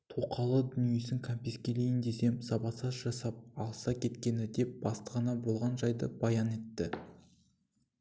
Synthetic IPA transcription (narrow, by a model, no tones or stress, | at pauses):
t̪ʰoqʰɑlˠəd̪ʏnije̞sɪŋkʰampʲeskʲe̞le̞jɪnd̪e̞se̞msɑbɑsɑzʒɑsɑp̚ɑlˠəsɑkʲʰe̞t̪kʲe̞nɪd̪e̞p̚b̥ɑst̪əʁɑnɑbo̞lˠʁɑnʒɑjd̪əb̥ɑjɑne̞t̪ːɪ